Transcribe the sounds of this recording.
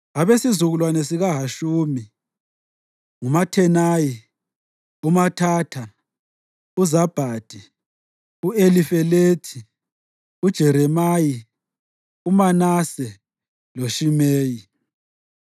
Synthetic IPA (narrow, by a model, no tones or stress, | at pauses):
aβesizuɣulwanɛsiɣaɦaʃuːmi | ŋumatʰɛnaji | umatʰaːtʰa | uzab̥ʱaːd̥ʱi | uelifɛleːtʰi | ud̥ʒ̥ʱɛɾɛmaji | umanasɛ | loʃimeːji